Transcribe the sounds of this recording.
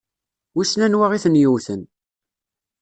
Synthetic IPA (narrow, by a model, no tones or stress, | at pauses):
wisnænwaʁiθənjuwθən